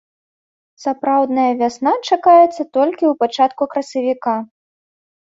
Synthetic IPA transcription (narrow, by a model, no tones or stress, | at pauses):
sapɾawd̪nɐjɐvʲasnat͡ʂakajɛt̪sːɐt̪ɔlʲkʲiwpat͡ʂat̪kukɾɐsɐvʲika